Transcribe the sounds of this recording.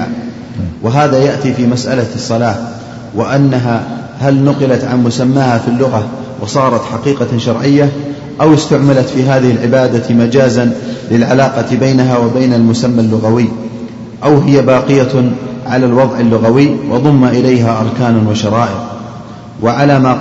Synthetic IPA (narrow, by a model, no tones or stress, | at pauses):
wɪɦaːðajaʔt̪ifimasʔalasˤːɑlaː | wɪʔanːaɦaː | halnʊqɪlat̪ʕanmʊsamːaːhafilːʊɣa | wʔɑsˤɑːɾˤɑt̪ħaqiːqɑʃɑɾˤʕɪjːa | ʔawɪst̪aʕmalat̪fiːɦaːðɪhɪlʕɪbaːd̪amad͡ʒaːzanlɪlʕalaːqɑbajnaɦaːwabajnalmʊsamːalːʊɣawɪjː | ʔawɦɪjabɑːqɪjaʕalalwɑðˤʕɪlːʊɣawɪːwʔɑ̰ðˤʊmːaʔɪlajɦaːʔɑɾˤkaːnwaʃɑɾˤɑːʔɪɣ | waʕalaːmaː